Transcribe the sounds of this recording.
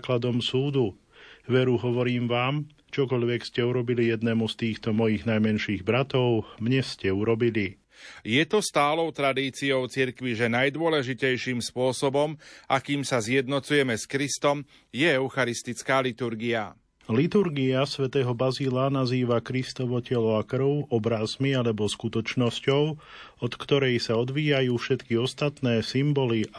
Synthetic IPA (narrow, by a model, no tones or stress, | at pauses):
klad̪ɔmsuːd̪u | ʋɛɾuɦɔʋɔɾiːmʋaːm | t͡ʃɔkɔʎʋɛkscɛuɾɔbilijɛd̪nɛːmust̪iːxt̪ɔmɔjiɣnajmɛnʃiːɣbɾat̪ɔʊmɲɛscɛuɾɔbili | jɛt̪ɔst̪aːlɔʊt̪ɾad̪iːt͡siɔʊt͡siɾkʋiʒɛnajd̪ʊɔlɛʒicɛjʃiːmspʊɔsɔbɔmʔakiːmsazjɛd̪nɔt͡sujɛmɛskɾist̪ɔm | jɛɛʊxaɾist̪it͡skaːlit̪uɾɡia̰ | lit̪uɾɡiasʋɛt̪ɛːɦɔbazilanaziːʋakɾist̪ɔʋɔcɛlɔakr̩ʊʔɔbɾazmialɛbɔskut̪ɔt͡ʃnɔscɔʊɔt̪kt̪ɔɾɛjsaɔd̪ʋiːajuːfʃɛt̪kiɔst̪at̪nɛːsimbɔli